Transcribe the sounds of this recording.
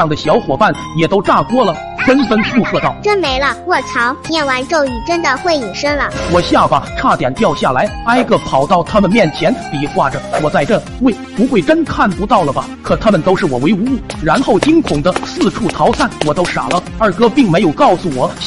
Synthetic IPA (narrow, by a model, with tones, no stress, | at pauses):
ɑ˥˩ŋd̪ə˩ɕjɑ˧˥ʊxwɔ˨˩pa˥˩n | jɛ˨˩t̪o˥ʊʈ͡ʂa˥˩kwɔ˥lə˨ | fə˥nfə˥nfʰu˥˧ʂɤ˥˧t̪ɑ˥˩ʊʈ͡ʂə˥nme˧˥ɪlə˧wɔ˥˩t͡sʰɑ˧˥ʊjɛ˥˩nwa˧˥nʈ͡ʂo˥˩ʊy˨˩ʈ͡ʂə˥nd̪ə˨xwe˥˩ɪji˨˩ʂə˥ŋlə˨wɔ˨˩ɕja˥˩fa˨˩ʈ͡ʂʰa˥˩t̪jɛ˨˩nt̪jɑ˥˧ʊɕja˥˩la˧˥ɪa˥ɪɡə˧pʰɑ˨˩ʊt̪ɑ˥˩ʊt̪ʰa˥mə˨nmjɛ˥˩nt͡ɕʰjɛ˧˥nti˨˩xwa˥˩ʈ͡ʂə˩wɔ˨˩t͡sa˥˧ɪʈ͡ʂə˥˩nxwe˥˩ɪpu˧˥xwe˥˩ɪʈ͡ʂə˥nkʰa˥˩npu˧˥t̪ɑ˥˩ʊlə˩bɐ˩kʰɤ˨˩t̪ʰa˥mə˨nt̪o˥ʊʂɻ̩˥˩wɔ˨˩we˧˥ɪu˧˥u˥˩ɻa˧˥nxo˥˩ʊt͡ɕi˥ŋkʰʊ˨˩ŋd̪ə˦sɹ̩˥˧ʈ͡ʂʰu˥˩t̪ʰɑ˧˥ʊsa˥˩nwɔ˨˩t̪o˥ʊʂa̰˨˩lə˦ə˞˥˩kɤ˥pi˥˩ŋme˧˥ɪjo˨˩ʊkɑ˥˩ʊsu˨˩wɔ˨˩˦